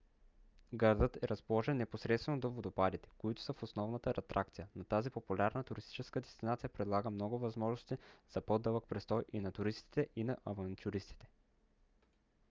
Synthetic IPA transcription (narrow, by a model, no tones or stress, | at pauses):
ɡɐɾd̪ɤt̪ɛɾɐspolˠɔʒɛnːɛposɾɛt̪st̪vɛnod̪ovod̪ʊpad̪it̪ɛ̥koit̪ʊ̥səfosnɔvnət̪əɾɛt̪ɾʔak̚t̪sijənot̪azipopulʲaɾnət̪ʊɾist̪i̥t͡ʃɛskəd̪ɛst̪inat̪sijəpɾɛd̪lˠaɡəmnɔɡʊvɐzmɔʒnost̪iz̥ɐpod̪ɤlˠək̚pɾɛst̪ɔjʔinɐt̪ʊɾist̪i̥t̪ɛʔinɐʔɐvɐnt̪ʲjuɾist̪i̥t̪ɛ̥